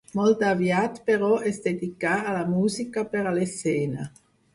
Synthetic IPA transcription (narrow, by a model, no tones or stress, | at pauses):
mɔlt̪avjat̪peɾɔʔɛsd̪ed̪ikaːlamuːzikapeɾalesɛːna